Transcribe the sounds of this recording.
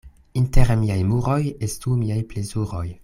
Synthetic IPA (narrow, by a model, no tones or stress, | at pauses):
inteɾmiajmuɾojestumiajplezuɾoj